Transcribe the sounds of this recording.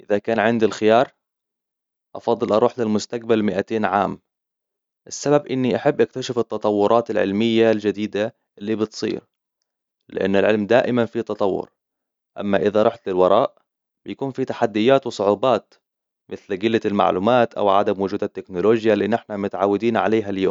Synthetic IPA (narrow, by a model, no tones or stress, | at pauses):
ʔɪðakaːnʕɪnd̪ilxɪjɑːɾˤ | ʔɑfɑd̪ˤːɨlʔɑɾˤuːħlɪlmʊst̪aɡ̚balmɪʔat̪eːnʕaːm | ʔɪsːababʔɪnːiʔaħabːʔak̚t̪aʃɪfɪt̪ːɑt̪ˤɑwːʊɾˤɑːt̪ɪlʕɪ̰lmɪjːald͡ʒɪd̪iːd̪a | ʔɪlːibɪt̪sˤḭːɾ | lɪ̰ʔa̰nːɪlʕɪlmd̪aːʔɪmanfit̪ɑt̪ˤɑwːʊ̰ɾ | ʔa̰mːaʔɪðaɾˤɑħt̪lɪlwɑɾˤɑːʔ | b̥ɪjakuːnfit̪aħad̪ːɪjːaːt̪wɨsˤʊʕuːbɑːt̪ | mɪθlɡɪlːalma̰ʕluːmaːt̪ʔa̰wʕa̰d̪amwʊd͡ʒuːd̪at̪ːɪknʊloːd͡ʒjalinɪħnamʊt̪ʕaːwːɪd̪iːnʕa̰leːɦaljo̰ːm